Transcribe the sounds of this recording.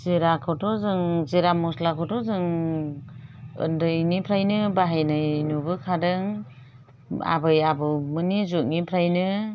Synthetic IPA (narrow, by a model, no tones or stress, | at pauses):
zeɾakʰɔtʰɔzɯŋzeɾamɔslakʰɔtɔzɯŋ | ɯ̰ndɯjnipʰɾajnɯbaɦajnajnubɯkʰadɯŋ | a̰bɯjabɯmɯnizuʔ̚nipʰɾajnɯ